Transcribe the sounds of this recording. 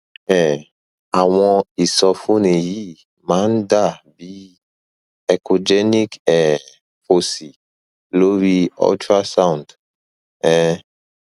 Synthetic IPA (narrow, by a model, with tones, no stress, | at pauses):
ɛ̃˨ | a˨w̃ɔ̃˧i˨sɔ˧fũ˦ne˨ji˦ | mã˨˦n˦da˦˨bi˦ | ɛ˨ko˨d͡ʒɛ˦ni˦kɛ˨ | fo˨si˨ | lo˦ɾi˦ɔ̰˦ta˦sã˦w̃nd | ɛ̃˦